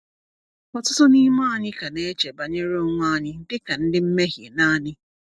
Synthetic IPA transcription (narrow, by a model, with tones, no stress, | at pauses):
ɔ˨tʊ˦tʊ˦ni˦ma˦˨ɲɪ˦ka˨ne˦t͡ʃe˨ba˨ɲe˦ɾe˦ʊ˦ŋʷʊ˦a˦˨ɲɪ˦n̩˦dɪ˦ka˨n̩˦dɪ˦m̩˦me˦ɦje˨na˦ɲɪ˦